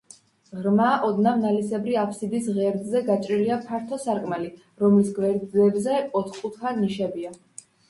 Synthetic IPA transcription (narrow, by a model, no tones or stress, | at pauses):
ʁɾmaʔɔd̪namnalisɛbɾiapʰsid̪isʁɛɾd̪zɛɡat͡ʃʼɾiliapʰaɾt̪ʰɔsaɾkʼmali | ɾɔmlisɡvɛɾd̪ɛbzɛɔt̪ʰχkʼut̪ʰaniʃɛbia